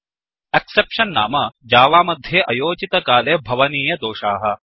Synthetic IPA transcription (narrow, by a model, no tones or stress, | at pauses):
eksepʃɐnːa̰ːmɐd͡ʒaːʋaːmɐd̪ʱjeʔɐjoːd͡ʒit̪ɐkaːleːbʱɐʋɐniːjɐd̪oːʃaːɦɐ̆